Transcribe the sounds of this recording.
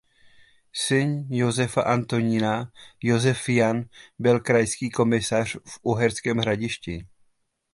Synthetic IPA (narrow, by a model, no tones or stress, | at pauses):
sɪnjo̞zɛfaʔant̪oɲɪnajo̞zɛfjanbɪlkɾajskiːko̞mɪsar̝̥fʔuɦɛɾskɛːmɦɾaɟɪʃcɪ